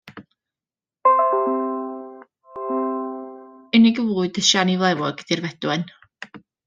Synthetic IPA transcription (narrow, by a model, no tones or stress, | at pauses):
ɨnɪɡəvuːɨdəʃanivlˠɛwɔɡədirvɛd̥wɛn